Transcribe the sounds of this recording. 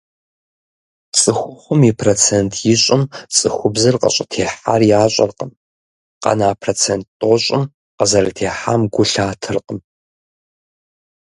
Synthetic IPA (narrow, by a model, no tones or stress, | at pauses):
t͡sʼɨxʷʊχʷʊmipʰroːt͡sʰeːntʰjɪɕʼɪmt͡sʼɨxʷʊbzɨrqə̰ɕʼɐtʰeːħa̰ːrjaːɕʼɐ̰rqəm | qɐ̰naːpʰroːt͡sʰent̚tʼoɕʼɪm | qəzɐrɐtʰeːħaːmɡʷʊɬaːtʰɨrqəm